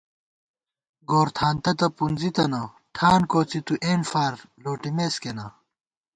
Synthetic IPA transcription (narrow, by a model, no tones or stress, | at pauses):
ɡoːɾt̪ʰaːnt̪ɐt̪ɐpunzit̪ɐnɐ | ʈʰaːnkoːt͡sit̪uʔeːnfaːɾloːʈimeːskenɐ